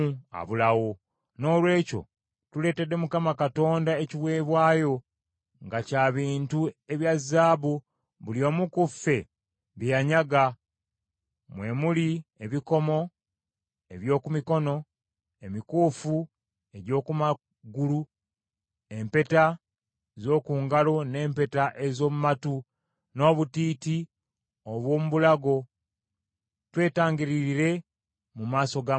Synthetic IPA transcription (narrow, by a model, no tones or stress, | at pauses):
a̰βulawo̞ | no̞ːlwe̞ːco̞̰ | tule̞ːte̞dːe̞mukamakato̞ːndaeciβwe̞ːβwaːjo̞ | ŋɡacaːβiːntue̞βjazːaːβu | βulio̞ːmukufe̞ | βjaɲaɡa | mwe̞ːmulieβiko̞mo̞ | e̞βjo̞ːkumiko̞no̞ | emikuːfu | e̞ɟo̞ːkuma | ɡulu | e̞mpe̞ta | ezo̞ːkuːŋɡalo̞ne̞ːmpe̞taʔe̞zo̞ːmumatu | no̞ːβutiːti | oβwo̞ːmuβulaɡo̞ | twe̞ːtaːŋɡiɾiɾiɾe̞ | mumaːso̞ɡa